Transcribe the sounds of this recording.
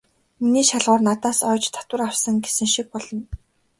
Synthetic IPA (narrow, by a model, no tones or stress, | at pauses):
miniːʃaɮʁʊːrnat̪aːsœːt͡ɕt̪ʰḁt̪wə̆rawsə̆ŋɡesɘ̆ŋʃik̚pɔɮɞ̆n